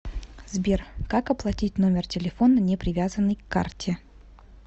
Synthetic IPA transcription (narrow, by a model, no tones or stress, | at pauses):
zbʲerkakɐplˠɐtʲit̚ʲno̞mʲɪrtʲɪlʲɪfo̞nənʲɪpɾʲɪvʲazənːəjkːa̰rtʲʰɪ